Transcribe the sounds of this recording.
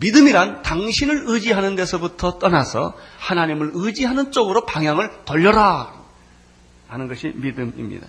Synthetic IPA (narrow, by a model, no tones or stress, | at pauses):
midɯmiɾantaŋɕʰinɯɾɯd͡ʑiɦanɯnde̞sʰʌbutʰʌt͈ʌnasʰʌ̰hanaɲimɯɾɯd͡ʑiɦanɯnt͡ɕ͈oɡɯɾopaŋjaŋɯɭtʌʎːʌɾa | hanɯnɡʌɕʰimidɯmḭmɲḭda̰